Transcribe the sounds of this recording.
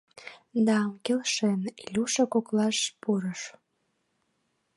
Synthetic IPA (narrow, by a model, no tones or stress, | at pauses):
d̪ɑːmkelʃenilʲuʃəkoklɑʃpuɾəʃ